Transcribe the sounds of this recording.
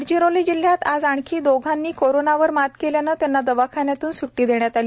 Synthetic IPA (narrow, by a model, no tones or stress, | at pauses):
ɽd͡ʑiɾoliːd͡ʑil̤ːjat̪ad͡zaɳkʰiːd̪oɡʱanːiːkoɾonaʋəɾmat̪keljanat̪janːad̪əʋakʰanjat̪uːnsuʈːiːd̪eɳjat̪aliː